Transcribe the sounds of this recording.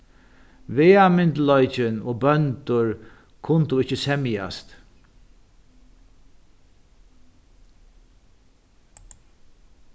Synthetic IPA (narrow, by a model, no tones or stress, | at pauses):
veːamɪnt̪lɔʏt͡ʃɪnoːbœnt̪ʊɹ | kʰʊnt̪ʊɪt͡ʃːəsɛmja̰st̪